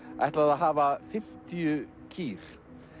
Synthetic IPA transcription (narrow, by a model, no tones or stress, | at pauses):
a̰jht̪laðaðɦaːvafɪm̥t̪ijʏ | cʰiːɾ̥